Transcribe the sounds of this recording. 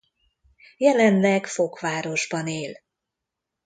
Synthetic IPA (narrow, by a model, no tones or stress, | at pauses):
jɛlɛnlɛɡfo̞kʋaːɾo̞ʒbɒneːl